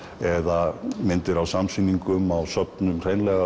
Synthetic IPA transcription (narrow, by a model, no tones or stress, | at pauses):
ɛðamɪnt̪ɪɾawsamsiniŋkʏmawsœpnʏmr̥ejnlɛɣa